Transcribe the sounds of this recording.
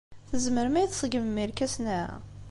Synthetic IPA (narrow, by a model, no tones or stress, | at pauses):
θəzməɾmæjəθsˤəɡəməmːiɾkæsnæ̰